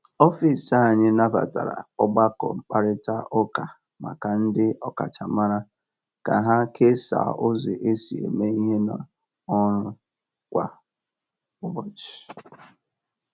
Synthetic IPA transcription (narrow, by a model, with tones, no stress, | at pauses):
ɔ˦fi˨sa˦˨ɲɪ˦na˦ba̰˨ta̰˨ɾa̰˨ɔ˦ɡ͡ba˦kɔ˨ŋ͡m̩˨k͡pa˨ɾɪ˦ta˦ʔɔ˦ka˨ | ma̰˨ka˨n̩˦dɪ˦ɔ˦ka̰˨t͡ʃa˨ma˦ɾa˦ | ka˨ɦa˦kʰe˦sa̰˨ʊ˦ze˨ʔe˦si˨ḛ˨me˦i˦ɦe˦na̰˨ | ɔ˦ɾʊ˦ | kʷa˨ | ʊ˦bɔ˨t͡ʃɪ̥˨